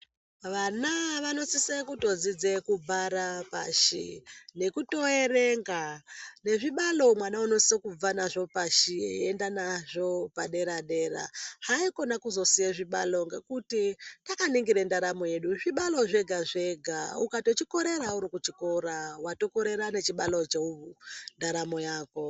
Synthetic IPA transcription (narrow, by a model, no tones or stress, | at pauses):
ʋanaʋano̞sisekuto̞d͡zid͡zekubʱaɾapa̰ʃḭne̞kuto̞ere̞ŋɡane̞ʐiɓalo̞mwanauno̞sokub͡vanaʐo̞paʃḭendanaʐo̞paɗe̞ɾaɗe̞ːɾa̰haiko̞nakuzo̞sijeʐiɓa̰lo̞ŋɡe̞kutitakaniŋɡiɾendaɾamo̞je̞ɗuʐiɓalo̞ʐe̞ɡʱaʐe̞ɡʱaukato̞t͡ʃiko̞ɾe̞ɾauɾikut͡ʃiko̞ɾawato̞ko̞ɾe̞ɾane̞t͡ʃiɓalo̞t͡ʃeuβundaɾamo̞jaːko̞